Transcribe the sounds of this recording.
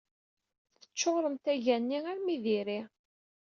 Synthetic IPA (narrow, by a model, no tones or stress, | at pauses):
θθə̥t͡ʃːoʁɾəmt̪æʝænːiaɾmiðiɾi